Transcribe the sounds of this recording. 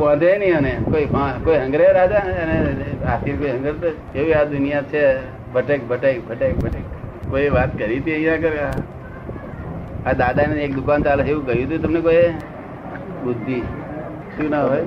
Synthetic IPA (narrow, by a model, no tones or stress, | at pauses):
ãd̪ʱenĩənekoiʋãkoiɦə̃ŋɡɾeɾad̪aəneat̪ʰiɾkoiɦə̃ŋɡəɾt̪ə | eʋiad̪ʊnijat͡ʃʰe | bʱəʈek̚bʱəʈekbʱəʈek̚bʱəʈekkoiʋat̪kəɾit̪iəĩjãkəɾa | ad̪ad̪aneek̚d̪ʊkant͡ʃaləkeʋũɡəjũt̪jũt̪əmnekoje | bʊd̪ʱːi | ʃũnaɦoj